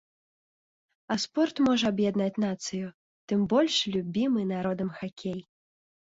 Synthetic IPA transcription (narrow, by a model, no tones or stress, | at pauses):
ɐspɔrt̪mɔʐɐabjad̪nat͡sʲnat̪sɨju | t̪ɨmbɔlʲʂlʲubʲimɨnaɾɔd̪ɐmxakʲʰej